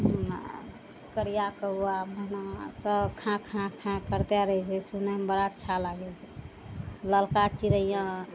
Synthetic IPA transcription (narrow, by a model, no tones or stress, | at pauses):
kəɾijakəuabʱənasəbkʰãkʰãkʰãkəɾt̪jaɾəɦɛt͡ʃʰɛsunəmbəɾatːt͡ʃʰalaɡɛt͡ʃʰɛ | ləlkat͡ʃiɾəijã